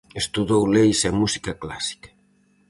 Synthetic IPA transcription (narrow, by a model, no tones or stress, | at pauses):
est̪uðowlejsɛmusi̥kɐklasi̥kɐ̥